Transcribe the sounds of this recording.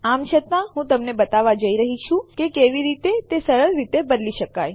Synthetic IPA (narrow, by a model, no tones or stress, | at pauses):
amt͡ʃʰət̪ãɦũt̪əmnebət̪aʋad͡ʒəiɾəɦit͡ʃʰũkekeʋiɾit̪et̪esəɾəɭɾit̪ebəd̪liʃəkaj